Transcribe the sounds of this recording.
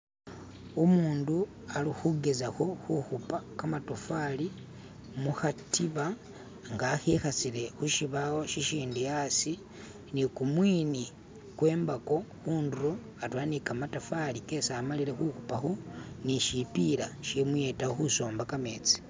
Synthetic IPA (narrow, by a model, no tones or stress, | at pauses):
umuːndu | alixuɡe̞zaxo̞xuxupakamatofali | muxatiβa | ŋɡaxixat͡siɾe̞xuʃiβawo̞ʃiʃiːndujasi | nikumwiːni | kwe̞ːmbako̞xuːnduɾo | atwaːnikamatofalike̞saːmaliɾe̞xuxupaxoniʃipiɾaʃemujetaxuso̞ːmbakame̞ːt͡si̥